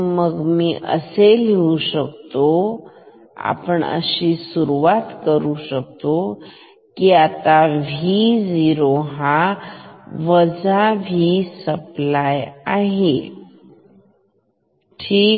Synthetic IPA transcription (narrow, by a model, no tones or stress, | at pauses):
məɡmiːʔə̰selɦeuɕəkt̪o | a̰pəɳə̰ɕisuɾuʋat̪kəɾuɕək̚t̪o | kiat̪aʋʱid͡ziɾoɦa | ʋəd͡zaʋʱisəplajaɦe | ʈʰiː